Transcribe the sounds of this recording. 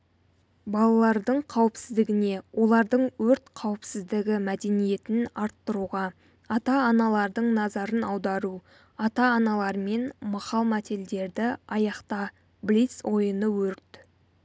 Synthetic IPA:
bɑlˠɑlˠɑɾd̪əɴqʰɑwəpsɪzd̪ɪɡʲɪne̞wʔo̞lˠɑɾd̪əɴwɵɾt̪qʰɑwəpsɪzd̪ɪɡʲɪmæd̪e̞nije̞t̪ɪnɑɾt̪ːəɾuʁɑ | ɑt̪ɑːnɑlˠɑɾd̪əɴnɑzɑɾənɑwd̪ɑɾu | ɑt̪ɑːnɑlˠɑɾme̞nmɑχɑlˠmæt̪e̞ld̪e̞ɾd̪ɪɑjɑqt̪ɑ | blit̪so̞jənəwɵɾt̪

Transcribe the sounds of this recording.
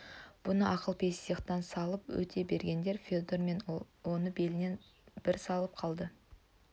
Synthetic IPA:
b̥ʊnəʔɑqəlˠpʰe̞sjəqt̪ɑnsɑlˠəpwɵ̰t̪ʰe̞be̞ɾɡʲe̞nd̪e̞ɾfʲod̪oɾme̞n | wo̞nəbe̞lɪne̞n | b̥ɪɾsɑlˠəp̚qʰɑlˠd̪ə

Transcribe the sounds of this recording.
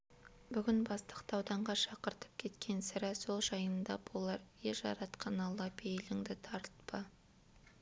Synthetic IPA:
bʏɡʲɪnbɑst̪ə̥qt̪ɑwd̪ɑɴʁɑʃɑqəɾt̪ə̥p̚kʲʰe̞t̪kʲʰe̞nsɪɾæso̞lˠʒɑjənd̪ɑbolˠɑɾjeʒɑ̰ɾɑt̪qɑnɑlˠɑpʰejlɪŋd̪ɪt̪ʰɑɾət̪pə

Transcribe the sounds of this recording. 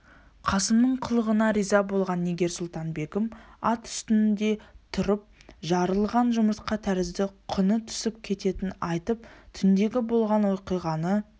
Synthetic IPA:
qʰɑsəmnəɴqʰəlˠəʁənɑɾijzɑbolˠʁɑnːeɡʲe̞ɾsʊlˠt̪ɑnbe̞kɪmɑt̪ʏ̥st̪ɪnɪnd̪e̞t̪ʰʊɾəp̚ʒɑɾəlˠʁɑnʒʊməɾt̪qɑt̪ʰæɾɪzd̪ɪqʰʊnət̪ʰʏ̥sɪp̚kʲʰe̞t̪e̞t̪ɪnɑjt̪əpt̪ʰʏnd̪e̞ɡʲɪbo̞lˠʁɑnwo̞jqijʁɑnə

